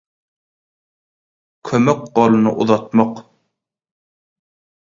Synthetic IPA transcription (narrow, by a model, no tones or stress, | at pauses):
kʰømøk̚ɢolˠɯnɯʔuðɑt̪mɑq